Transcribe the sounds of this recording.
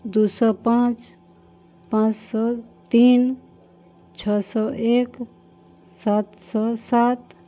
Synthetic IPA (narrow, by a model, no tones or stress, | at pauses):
d̪usɔpãt͡ʃ | pãt͡ʃsɔt̪iːn | t͡ʃʰɔsɔʔek | sat̪sɔsat̪